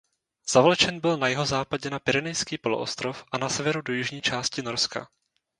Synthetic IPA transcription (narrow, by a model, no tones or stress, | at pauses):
z̥avolt͡ʃɛnbɪlnajɛɦo̞zaːpaɟɛnapɪɾɛnɛjskiːpo̞loʔo̰st̪ɾo̞fʔanasɛvɛɾudojɪʒɲiːt͡ʃaːscɪno̞ɾska̰